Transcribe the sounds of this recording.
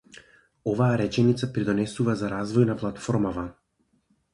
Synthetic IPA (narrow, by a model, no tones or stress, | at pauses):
ɔvaːɾɛt͡ʃɛnit̪sapɾid̪ɔnɛsuvazaɾazvɔjnaplˠat̪fɔɾmava